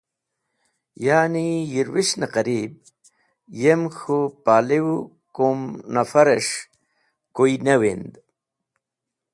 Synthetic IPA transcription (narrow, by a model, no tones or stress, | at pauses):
jaːnijiɾwiʂnaqɐɾib̚ | jemxopaːlewu | komnɐfɐɾeʂ | koinɐwend̪